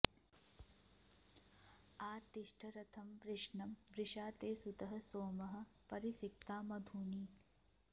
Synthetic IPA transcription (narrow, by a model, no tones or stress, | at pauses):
aːt̪iʂʈʰɐɾɐt̪ʰɐmpɾɪʂɳɐmʋɾɪʃaːt̪eːsut̪ɐɦɐ̆soːmɐɦɐ̆pɐɾisik̚t̪aːmɐd̪ʱuːniː